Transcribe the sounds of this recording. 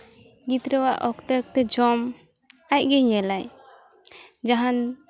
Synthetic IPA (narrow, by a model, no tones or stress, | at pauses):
ɡit̪ɾəwaʔɔkt̪ək̚t̪ɛd͡ʒɔm | ac̚ɡɛɲɛlaj | d͡ʒaɦan